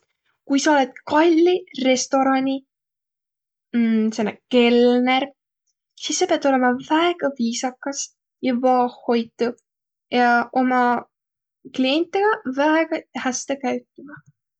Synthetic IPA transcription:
kujsɑo̞le̞d̪̥̚kɑlʲːire̞st̪o̞ɾɑnʲi | sen̰ːke̞lneɾ | sisːe̞peɑt̪o̞lemɑvæeɡ̥ɑviːsɑkːɑs | jɑvɑːhho̞jt̪ːˑu | jɑʔo̞mɑ | klienʲt̪ːˑeɡ̥ɑvæeɡ̥ɑhæst̪ekæɥt̪ːˑimɑ

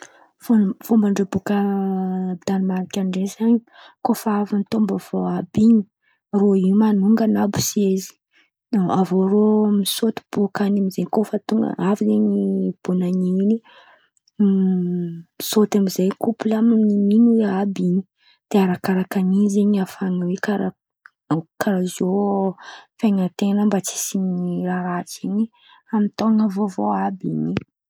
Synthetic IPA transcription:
fofombaɳɖ͡ʐebuka | bid̪animaɾikʲaɳɖ͡ʐezaɲi | kofavinit̪ombəv̥oabiɲi | roiumanuŋɡanabu̥sezi̥ | avoɾomisot̪i̥b̥okanamizeɲkofət̪uŋ̰avizeɲib̥unaɲini | sot̪amizajkupulaminiminuweabiɲi̥ | d̪̥eaɾakaɾakanizeɲiafaŋəwekaɾa | kaɾazo | fajŋat̪enəmbat͡si̥siniiɾaɾat͡siɲi | amint̪oŋavovoabḭɲi

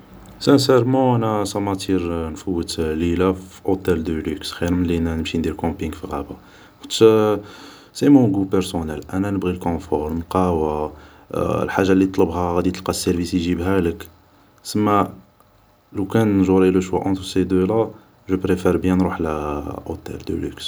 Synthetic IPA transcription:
sæ̃s̬ɛɾmɑ̃ʔænæsɑmæt̪iɾnfəwːət̪lilafiʔot̪æld̪əlyksxiɾmənlinænəmʃind̪iɾkɑ̃piŋɡfiɣæba | kt̪ʃ | semɔ̃ɡupəɾsonælʔænænəbɣilkɔ̃fɔɾnqɑwa̰ | lħaʒːalːit̪ˤləbhæɣæd̪it̪əlqɑsːæɾvisiʒibɦælək | səmːæ | lukænʒuɾiləʃwæʔɑ̃t̪sed̪øla | ʒəpɾefiɾbjænɾuħlʔo̰t̪ɛ̰ld̪ə̰lyks

